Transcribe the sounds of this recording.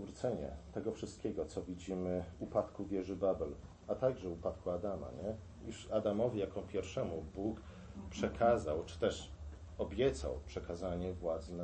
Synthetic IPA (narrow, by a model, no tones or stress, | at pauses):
vɾut̪sɛɲɛ̰t̪ɛɡɔfʂɘst̪̚kʲɛɡɔt̪sɔvʲid͡ʑimɘvupat̪kuvʲjɛʐɘbabɛl | at̪aɡʐɛupat̪kʰuad̪ama̰ɲɛ | juʂad̪amɔvʲijakɔ̃pʲjɛɾfʂɛmubuk | pʂɛkʰazawt͡ʂɘ̥t̪ɛʂ | ɔbʲjɛt̪sa̰wpʂɛkazaɲɛvwad̪znɛ